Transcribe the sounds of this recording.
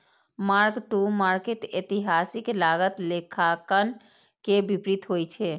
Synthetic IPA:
maɾkʈumaɾkeʈet̪iɦasiklaɡət̪lekʰakən | kebipɾit̪ɦojt͡ʃʰɛ

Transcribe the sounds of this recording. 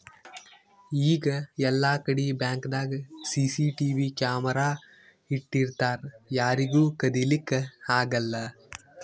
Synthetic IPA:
iːɡɐɛlːaːkɐɽibjaːŋkd̪aːɡɐsiːsiʈiːʋikjaːmɐɾaː | iʈːiɾt̪aːɾjaːɾiɡuːkɐd̪ilikːaːɡɐlːɐ

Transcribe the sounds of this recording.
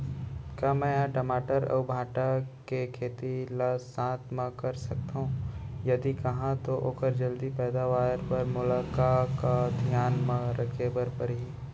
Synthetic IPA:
kaːmɛ̃ãʈəmaːʈəɾɐ̰ːbʱãːʈakekʰeːt̪ilasãːt̪mãkɐɾsɐk̚t̪aɦũjɐd̪ikɐɦãt̪oʔoːkəɾd͡ʒɐld̪ipɛːd̪aʋaːɾpɐɾmʊlaːkakad̪ʱijaːnmãɾɐkʰeːbəɾpɐɾɦi

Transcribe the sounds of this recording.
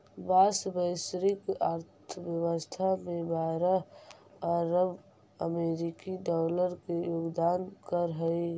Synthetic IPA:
basbəɪsɾɪkaɾt̪ʰəʋjəwəst̪ʰamẽbaɾa | əɾəb | əmeɾikiɖaləɾkejoːɡd̪aːnkəɾɦəi

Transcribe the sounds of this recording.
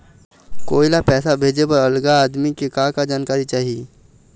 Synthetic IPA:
koːilapɛːsabʱeːd͡ʒepəɾəlɡaːd̪mikekaːkad͡ʒaːnkaːɾit͡ʃaːɦii

